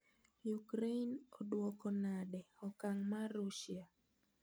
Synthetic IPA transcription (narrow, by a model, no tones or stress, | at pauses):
jukɾenodwɔkɔnadɛɔkaŋmarːuʃia